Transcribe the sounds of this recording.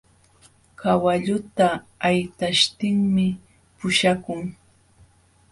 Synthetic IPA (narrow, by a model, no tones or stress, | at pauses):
kawaʎʊt̪aːjt̪aʃt̪ɪŋmɪ | pʊʃakʊŋ